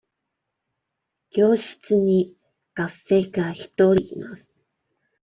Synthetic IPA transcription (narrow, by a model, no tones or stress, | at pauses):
ɡ̥ʲo̞ːɕi̥t͡sɨɲ̟i | ɡ̥asːe̞ːkaçi̥t̪oɾʲiːmasɨ̥